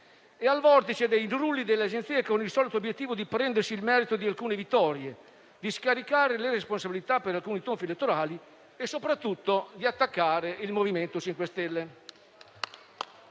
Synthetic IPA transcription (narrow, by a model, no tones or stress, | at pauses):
ealvɔrt̪it͡ʃed̪ejnɾulːid̪elːead͡ʒent̪siːekonilsɔːlit̪objet̪ːiːvod̪ipɾɛnd̪ersiːlmɛːɾit̪od̪ialkuːnevit̪ːɔɾje | d̪iskaɾikaːɾeleresponsabilit̪apːeɾalkuːnit̪oɱfilet̪ːoɾaːli | esːopɾat̪ːut̪ːod̪iat̪ːakːaːɾeilmoviment̪ot͡ʃiŋkwest̪ɛlːe